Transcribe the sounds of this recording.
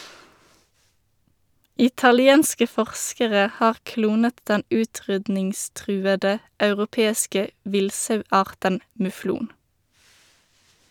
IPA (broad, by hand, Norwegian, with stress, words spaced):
ɪtɑlɪˈeːnskə ˈfɔʁskəʁə ˈhɑːʁ ˈkluːnət ˈdɛn ˈʉːˌtʁʏdnɪŋˌstʁʉːədə ɑʉʁʊˈpeːskə ˈʋɪlsɑʉˌɑːʁtən mʉˈfluːn